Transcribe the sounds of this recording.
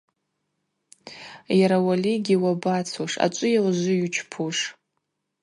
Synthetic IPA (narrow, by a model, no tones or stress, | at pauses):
jaɾawaliɡʲiwabat͡sʰuʂa̰t͡ʃʷʼʊjawʒʷʊjut͡ʃʰpʰuʂ